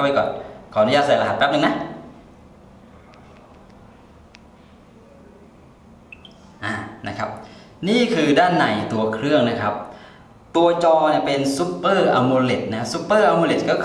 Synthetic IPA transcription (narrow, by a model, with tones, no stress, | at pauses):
wpa˧kɔ̰ː˨˩nkʰɔː˨˩˦nu˦˥jaː˥˩t̪sa˧˩˦la˧ɦa˨˩t̪̚bɛː˦˥pnɯ˧na˦˥ | ʔaː˨˩na˦˥kʰa˦˥p̚ | niː˥˩kʰɯː˧daː˥˩nːa˨˩jt̪u˧ɐkʰɾɯ˥˩əŋna˦˥kʰa˦˥p̚ | t̪u˧ɐt͡ɕɔː˧ni˧˩pe˧nsu˦˥pːɤː˥˩ʔa˧moː˧le˨˩t̪̚na˦˥su˦˥pːɤː˥˩ʔa˧mo˧le˨˩t̪̚kɔː˥˩kʰ